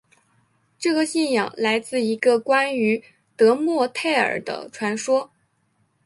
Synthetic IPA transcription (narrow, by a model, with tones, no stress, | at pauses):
ʈ͡ʂɤ˥˩ɡə˩ɕi˥˩njɑ̰˨˩ŋla˧˥ɪt͡sɹ̩˥˩i˧˥ɡə˧kwa˥ny˧˥ | t̪ɤ˧˥mwɔ˥˧t̪ʰe˥˩ɪə̰˞˨˩d̪ə̰˦ʈ͡ʂʰwa˧˥nʂwɔ˥